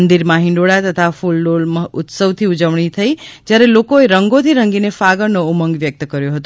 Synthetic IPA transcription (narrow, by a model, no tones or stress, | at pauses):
nd̪iɾmãɦɪ̃ɳɖoɭat̪ət̪ʰafulɖolmut̪səʋt̪ʰiud͡ʒəʋɳit̪ʰəid͡ʒjaɾelokoeɾəŋɡot̪ʰiɾəŋɡinefaɡəɾnouməŋɡʋjək̚t̪kəɾjoɦət̪